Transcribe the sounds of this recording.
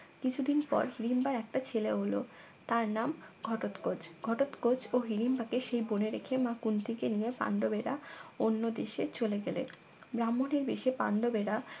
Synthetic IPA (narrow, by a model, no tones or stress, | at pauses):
kit͡ɕʰud̪inpɔ̰ɾhiɾimbaɾɛk̚ʈat͡ɕʰeleɦolo̰ | t̪aɾnamɡʱɔʈot̪kod͡ʑɡʱɔʈot̪kod͡ʑoɦiɾimbakeʃejboneɾekʰemakunt̪ʰikenijepa̰ɳɖobeɾaonːod̪eʃet͡ɕoleɡɛlḛn | bɾamːoneɾbeʃepa̰ɳɖobeɾa